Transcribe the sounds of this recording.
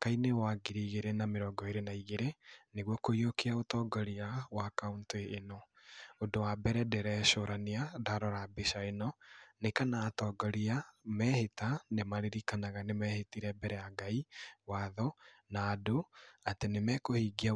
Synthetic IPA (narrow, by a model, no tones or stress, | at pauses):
kainewaɡiɾiːɣeɾenameɾɔːɡɔeɾenaiɣeɾeneɣwɔkoiokeaotɔːɡɔɾiawakaunteʔːnɔ | odowabɛɾɛdɛɾɛʃoɾaneadaɾɔɾabeʃaenɔnekanaːtɔːɡɔɾiamɛhetanemaɾeɾikanaɣanemɛːhetiɾɛbɛɾɛjaɡaiwaðɔnaːdoatenemɛkohiːɡia